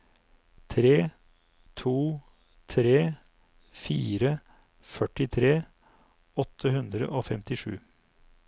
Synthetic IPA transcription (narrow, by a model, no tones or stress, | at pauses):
t̪ʰɾeː | t̪ʰuː | t̪ʰɾeː | fiːɾə | fœʈɪt̪ʰɾeː | ɔt̪ʰːəhʉnd̪ɾə̰ʔoːfɛmt̪ɪʂʉ̰ː